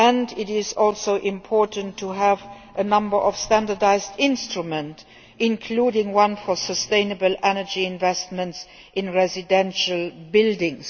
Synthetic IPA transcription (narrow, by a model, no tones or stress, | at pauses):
æ̃ndɪtɪzɔlsoʊʔɪ̃mpʰɔɹtə̃ntʰːuɦæv | ʔənʌ̃mbə˞ʔɔfstæ̃ndədaɪzdɪ̃nstɹumə̃nt | ɪ̃nkʰluːɾɪ̃ŋwʌ̃nfɔsəstẽɪ̃nəbəlʔɛnəd͡ʒiɪ̃nvɛstmə̃nts | ʔɪ̃nɹɛzɪdɛ̃nʃəlbɪldɪ̃ŋs